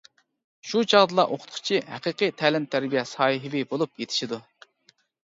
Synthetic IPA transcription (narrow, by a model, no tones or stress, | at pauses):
ʃut͡ʃʰɑʁd̪ɨlˠɑʔoqʰʊ̥t̪̚qʰʊ̥t͡ʃʰiɦæqəqʰɨjt̪ʰælɪmt̪ʰæɾbijɛsɑːjiɦɪbɪbolˠupjet̪ʰɪ̥ʃid̪u